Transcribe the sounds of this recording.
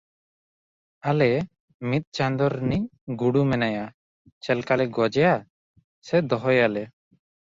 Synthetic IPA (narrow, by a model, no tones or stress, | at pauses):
alɛ | mit̪̚ˀt͡ʃand̪ɔɾnic̚ɡuɽumɛnaja | t͡ʃɛlkalɛɡɔd͡ʒɛja | sɛd̪ɔɦɔjalɛ